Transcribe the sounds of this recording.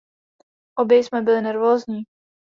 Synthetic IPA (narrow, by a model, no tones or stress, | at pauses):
ʔobjɛjsmɛbɪlɪnɛɾvoːzɲiː